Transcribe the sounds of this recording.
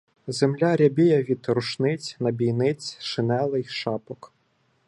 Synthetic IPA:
zemlʲaɾʲɐbʲijɐʋʲid̪ɾʊʃnɪt͡sʲnɐbʲijnɪt͡sʲʃɪnɛlˠɪjʃɑpɔk

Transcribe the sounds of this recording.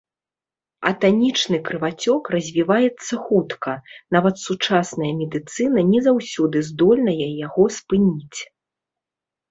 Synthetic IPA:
ɐ̰t̪anʲit͡ʂnɨkɾɨvat͡sʲɔkrɐzʲvʲivajɛt̪sːɐxut̪kʰɐnavɐt̪sut͡ʂasnɐjɐmʲɛd̪ɨt̪sɨnɐnʲɛzawsʲɔd̪ɨzd̪ɔlʲnɐjɛjaɣɔspɨnʲit͡sʲ

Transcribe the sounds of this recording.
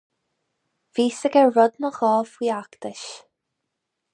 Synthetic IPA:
viːsəɡɛɹʊd̪nəxɔːfwiːakt̪ɪʃ

